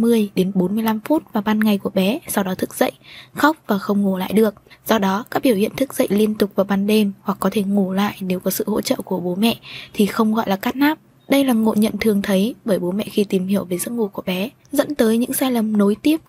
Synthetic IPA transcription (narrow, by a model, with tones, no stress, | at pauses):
mɨ˧əjɗe˨˦nɓo˨˦nmɨ˧əjla˧mfu˦˥t̚vaː˨˩ɓaː˧nŋa˨˩jku˧˩əɓɛ˨˦sa˧wɗɔ˨˦t̪ʰɨ˦˥k̚z̥ə̰˧˨jxa˦˥wk͡p̚vaː˨˩xə˧wŋ͡mŋo˨˩la̰ː˧˨jɗɨ˨˩ək̚z̥ɔ˧ɗɔ˨˦kaː˦˥k̚ɓi˧˩əwhḭ˧˨ənt̪ʰɨ˦˥k̚zə̰˧˨jli˧ənt̪ʊ˨˩k͡p̚vaː˨˩ɓaː˧nɗe˧mhwa˨˩k̚ːɔ˨˦t̪ʰe˧˩ŋo˨˩la̰ː˧˨jne˨˦wkɔ˨˦sɨ̰˧˨ho̰˧˥t͡ɕə̰ː˧˨ku˧˩əɓo˨˦mɛ̰˧˨ʔt̪ʰi˨˩xə˧wŋ͡mɣɔ̰˧˨jlaː˨˩kaː˦˥t̚naː˦˥p̚ | ɗə˧jlaː˨˩ŋo̰˧˨ɲə̰˧˨nt̪ʰɨ˨˩əŋt̪ʰə˨˦jɓəː˧˩jɓo˨˦mɛ̰˧˨xi˧t̪i˨˩mhi˧˩əwvəː˨˦jzɨ̰˧˥əŋo˨˩ku˧˩əɓɛ˨˦ | zə̰˧˥nt̪əː˨˦jɲɨ̰˧˥ŋsaː˧jlə˨˩mno˨˦jt̪i˦˥əp̚